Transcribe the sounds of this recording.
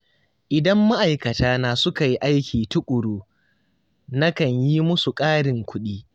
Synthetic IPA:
ʔɪ˨dɐ˦mːa˦ʔa˨jkɐ˨taː˦naː˨sʊ˦ka˨ji˦ʔa˦jkʲiː˨tʊ˦kʷʼʊ˨ɽoː˦ | nɐ˦kɐ˨ɲji˦mʊ˦su˨kʼaː˦ɽɪ˨ŋkʷʊ˦ɗiː˦

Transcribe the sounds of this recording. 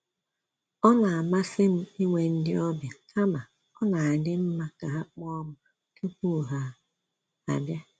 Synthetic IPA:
ɔ˦na˨a˨ma˦sɪ˦m̩˦i˦ŋʷe˨n̩˦dɪ˦ɔ˦bja˨kʰa˦ma˨ | ɔ˦na˨a˨dɪ˦m̩˦ma˦ka˨a˦k͡pɔ˦mʊ˨ | ke˦ku˦˨ɦa˨ | a̰˨bja˦

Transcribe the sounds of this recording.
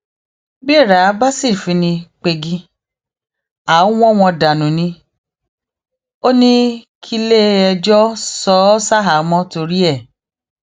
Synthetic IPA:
bi˦˨ɾa˨˦ba˦si˦˨fĩ˧nĩ˧k͡pe˧ɡi˧ | a˨˦w̃ɔ̃˦˨w̃ɔ̃˧da˨nũ˨nĩ˧ | o˦nĩ˦kʰi˧le˦ɛ˧d͡ʒɔ˦sɔ˨˦sa˦ɦa˨˦mɔ̃˧˦to˧ɾi˦ɛ˦˨

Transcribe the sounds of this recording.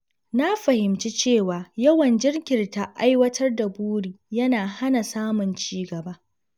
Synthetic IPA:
na˦ɸɐ˨hɪ˨mt͡ʃi˦t͡ʃeː˦˨waː˨jɐ˦wɐ˨nd͡ʒɪ˦rkʲɪ˨rta˦ʔa˦jwɐ˦tʰɐ˦rda˨buː˦ɽiː˨jɐ˦naː˨ha˦na˨saː˦mʊ˨nt͡ʃiː˦ɡɐ˨ba˦

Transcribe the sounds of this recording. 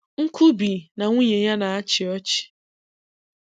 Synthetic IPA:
ŋ̩˦kʰu˦bi˨na˨ŋʷu˦ɲe˨ɲa˦na˨a˦t͡ʃɪ˨ɔ˦t͡ʃɪ̥˨

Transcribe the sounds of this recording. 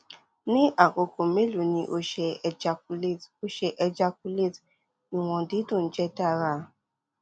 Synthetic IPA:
nĩ˦ʔa˦˨ko˨ko˨me˦lo˨nĩ˧ʔo˧ʃɛ˧lo˧ʃɛ˧ʔɛ˧d͡ʒa˧k̚u˧le˦˨t | ĩ˨w̃ɔ̃˧di˨˦dũ˦˨n̩˦d͡ʒɛ˦da˦˨ɾa˧˨

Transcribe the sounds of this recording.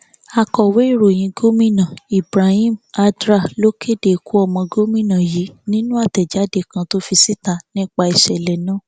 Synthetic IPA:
a˧kɔ˨we˨˦i˦˨ɾo˨j̃ĩ˧ɡo˦mĩ˦nã˨i˨bɾa˨hĩ˦˨ma˧dɾa˦˨lo˦ke˦˨de˨ku˦ɔ˦˨mɔ̃˧ɡo˦mĩ˦˨nã˨ji˨˦nĩ˦nũ˦a˦˨tɛ˨d͡ʒa˨˦de˧kã˧to˦fi˧si˦ta˧˨nĩ˦k͡pa˧i˨ʃɛ˨lɛ˨nãː˦˨

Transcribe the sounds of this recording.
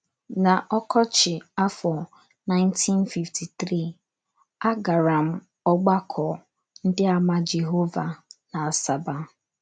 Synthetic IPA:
na˨ʔɔ˦kʰɔ˦t͡ʃɪ˨a˦fɔ˨ | na˦ɪ̃˦ntʰĩ˦nfi˨ftʰi˨tɾi˦˨ | a˦ɡa˨ɾa˨m̩˦˨ | ɔ˦ɡ͡ba˦kʰɔ˨ | n̩˦dɪ˦a˦ma˦d͡ʒe˨ɦo˦va˨na˨a˨sa˨ba˦

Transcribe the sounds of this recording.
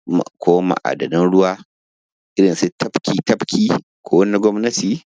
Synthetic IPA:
m̰˨kʷʰoː˦ma̰˨ʔa̰ː˨dɐ˨nɪ˦nɽʊ˦waː˦ | ʔɪ˦ɽɪ˨nsu˦tɐ˦ɸkʲiː˨tɐ˦ɸkʲʰiː˦ | kʷoː˦wɐ˦ni˦ɡʷɔ˦mnɐ˦tiː˨

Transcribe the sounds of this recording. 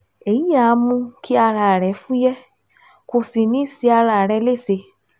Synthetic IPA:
e˨ji˦a˨˧mũ˧ki˦a˧ɾa˨ɾɛ˨˦fũ˦jɛ˦ | ko˨˧˨si˨nĩ˦˨si˧a˧ɾa˨ɾɛ˧le˦˨se˧˦

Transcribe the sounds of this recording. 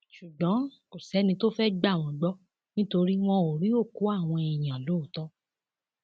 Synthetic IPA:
ʃu˨ɡ͡bã˨˦ko˨sɛ˨˦nĩ˧to˦fɛ˦ɡ͡ba˦˨w̃ɔ̃˧ɡ͡bɔ˦ | nĩ˦to˧ɾi˦w̃ɔ̃˦o˨ɾi˨˦o˦˨ku˨˦a˦˨w̃ɔ̃˧i˨j̃ã˨lo˦˨tɔ˦

